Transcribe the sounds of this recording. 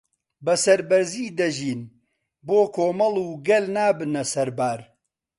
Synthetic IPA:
bɐsɐɾbɐɾziːd̪ɐʒiːn | boːkʰoːmɐlˠuːɡɐlnaːbɨnɐsɐɾbaːɾ

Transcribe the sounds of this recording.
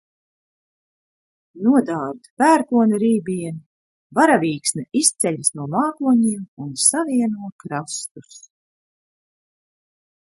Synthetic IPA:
nuɔd̪aːɾd̪pæːɾkuɔnaɾiːbʲiɛn | vaɾaviːksnaʔist̪sɛʎisnuɔmaːkuɔɲiːmunsaviɛnuɔkɾast̪us

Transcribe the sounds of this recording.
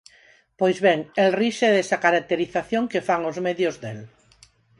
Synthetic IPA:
pojzβɛŋɛlriʃɛðesakaɾak̚t̪eɾiθaθjoŋkefaŋozmeðjʊzdel

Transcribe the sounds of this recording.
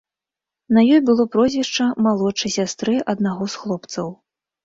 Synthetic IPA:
nɐjɔjbɨlˠɔpɾɔzʲvʲiʂt͡ʂɐmalˠɔt͡ʂɨsʲast̪ɾɨʔɐd̪naɣɔsxlˠɔpt̪sɐw

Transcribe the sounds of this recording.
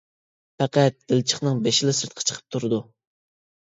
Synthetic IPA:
pæqæt̪̚d̪̥ɪlt͡ʃʰə̥χnɨŋbeʃɪlɪsɨɾt̪̚qʰɑ̥t͡ʃʰə̥qʰə̥p̚t̪ʰuɾɨd̪u

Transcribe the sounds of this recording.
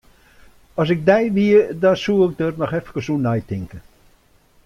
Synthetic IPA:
ɔsɪk̚dɛjʋiədɔnsuɪk̚dərnɔχɛfə̥kəsunajtɪŋkə

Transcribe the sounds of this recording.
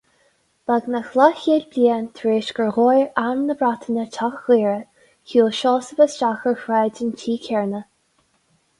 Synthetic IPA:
b̥aɡnəxlaçiːlbliːənt̪ʰɾeːʃɡəɹɣojɹaɹmnəbɹat̪ʰənətʰaxɣiːɹə | çuːlʃɔːsəbəsʃaxəɹxɾɛːdɪntʰiːkʰɛɹnə

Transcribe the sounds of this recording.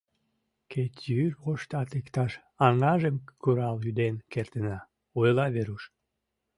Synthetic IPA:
kʰet̪ʲjyrʁoʃt̪ɑt̪ikt̪ɑʃ | ɑŋɑʒemkuɾɑljyd̪enkert̪ənɑ | ojlɑβeɾuʃ

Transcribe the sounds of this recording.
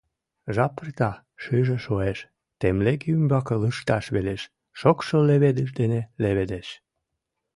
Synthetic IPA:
ʒɑpərt̪ɑ | ʃɯʒeʃoeʃ | t̪emlekymbɑkələʃt̪ɑʃβeleʃ | ʃokʃoleβed̪əʒd̪eneleβed̪eʃ

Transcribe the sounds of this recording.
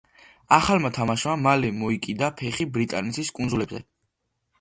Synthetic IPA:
aχalmat̪ʰamaʃmamalɛmɔikʼid̪apʰɛχibɾit̪ʼa̰nɛt̪sʰiskʼund̪zulɛbzɛ̰

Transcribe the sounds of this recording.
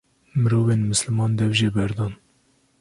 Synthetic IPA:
mɨɾoːveːnmɨslmɑːnd̪ɛvʒebɛɾd̪ɑːn

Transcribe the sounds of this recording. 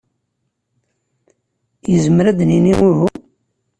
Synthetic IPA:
jəzəmɾæd̪niniwiɦu

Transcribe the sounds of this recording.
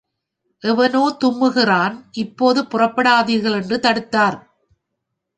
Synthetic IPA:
ʔɛʋɐnoːt̪ʊmːɯɣɪraːnʔɪpːoːðɯpʊrɐpːɐɽaːðɪɣɐɭɛndrɯt̪ɐɽɯt̪ːaːɾ

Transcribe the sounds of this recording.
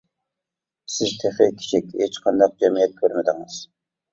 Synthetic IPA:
sɪzt̪ʰeχekʲʰi̥t͡ʃʰɪkʲhet͡ʃqʰɑnd̪ɑq̚d͡ʒɛmijɛt̪̚kʲʰøɾmɪd̪ɪŋɨz̥

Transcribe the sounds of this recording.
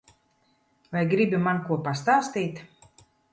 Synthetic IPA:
vajɡɾibʲimankuɔpast̪aːst̪ijt̪

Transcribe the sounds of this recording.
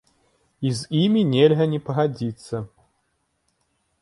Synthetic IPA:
izʲimʲinʲɛlʲɣɐnʲɛpɐɣad͡zʲit̪sːɐ

